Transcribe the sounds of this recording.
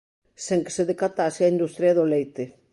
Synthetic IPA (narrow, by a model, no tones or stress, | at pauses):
seŋke̥seðekat̪aːseaind̪ust̪ɾjaðolejt̪e